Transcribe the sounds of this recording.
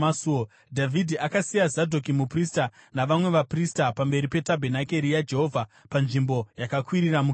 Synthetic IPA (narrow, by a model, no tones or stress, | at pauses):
suo | dʱavʱidʱiakasijazadʱok̬imupristanaʋamwe̞ʋapristapambe̞ɾipe̞tabʱenake̞ɾijad͡ʒe̞ɦo̞vʱapanʐimbo̞jakakwiɾiramu